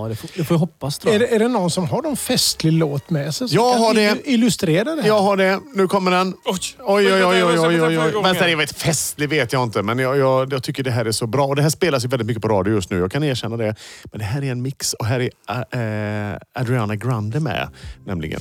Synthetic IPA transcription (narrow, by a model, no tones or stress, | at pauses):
d̪ɛd̪ɛfojɦɔpːasd̪ɛɛːɖɛnɔnːsɔmɦaɖɔmfɛst̪lɪloːt̪mɛsɛjjɑːɡɦaɖɛɪlɵst̪ɾeːɾad̪əjɑːɡɦaɖɛnʉ̟ːkʰɔmːəɖɛnɔjɔjɔjɔjɔjɔjɔjvɛnt̪ɛjaveːt̪fɛst̪lɪveːt̪jɑɪnt̪əmɛnjɑjɑːɡjɑɡ̚t̪ʰʏkːəɖɛɦæːɾæʂɔbɾɑːɔd̪ɛɦæːʂpeːlasjɵvɛlːɪt̪mʏkːəpʰɔɾɑːd̪jʊjɵst̪nʉ̟ːjɑːɡkʰaneːɾɕɛnːad̪ɛmɛnd̪ɛɦæːɾæɾɛnmɪksɔɦæːɾæɾ | ad̪ɾɪaːnaɡɾand̪əmɛ̰nɛ̰mlɪ̰ɡə̰n